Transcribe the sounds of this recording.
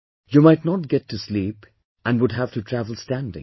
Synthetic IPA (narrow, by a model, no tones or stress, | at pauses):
jumaɪtnɔt̚ɡɛtʰːuslip | æ̃nwʊdɦævtutʰɹævəl̩ˠstæ̃ndɪ̰̃ŋ